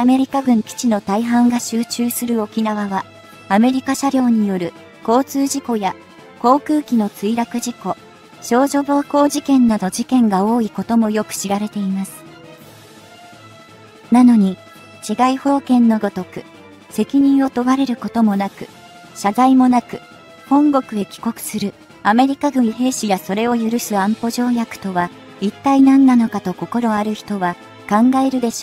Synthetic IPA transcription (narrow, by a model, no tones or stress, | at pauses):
ame̞ɾʲikaɡɯ̟̃ŋkʲi̥t͡ɕino̞t̪aiɦãŋɡaɕɨːt͡ɕɨːsɨɾɯ̟o̞kʲinaβaβa | ame̞ɾʲikaɕaɾʲo̞ːɲ̟ijo̞ɾɯ̟ | ko̞ːt͡sɨːʑiko̞ja | ko̞ːkɯ̟ːkʲino̞t͡sɨiɾakɯ̟ʑiko̞ | ɕo̞ːʑo̞bo̞ːko̞ːd͡ʑikẽ̞nːad̪o̞d͡ʑikẽ̞ŋɡao̞ːiko̞t̪o̞mo̞jo̞kɯ̟̥ɕiɾaɾe̞t̪e̞imasɨ̥ | nano̞ɲ̟i | t͡ɕiɡaiho̞ːkẽ̞nːo̞ɡo̞t̪o̞kɯ̟ | se̞kʲiɲ̟ĩɰ̃o̞t̪o̞βaɾe̞ɾɯ̟ko̞t̪o̞mo̞nakɯ̟̥ | ɕad̪aimo̞nakɯ̟̥ | hõ̞ŋɡo̞kɯ̟e̞kʲi̥ko̞kɯ̟̥sɨɾɯ̟ | ame̞ɾʲikaɡɯ̟̃ɲiɦe̞ːɕijaso̞ɾe̞o̞jɯ̟ɾɯ̟sɨãmpo̞ʑo̞ːjakɯ̟̥t̪o̞βa | it̪ːainãnːano̞kat̪o̞ko̞ko̞ɾo̞aɾɯ̟çi̥t̪o̞βa | kãŋɡae̞ɾɯ̟d̪e̞ɕoː